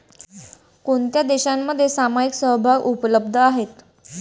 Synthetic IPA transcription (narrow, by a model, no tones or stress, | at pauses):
koɳt̪jad̪eɕamːəd̪ʱːjesamajiksəwbʱaɡupələb̚d̪ʱəaɦet̪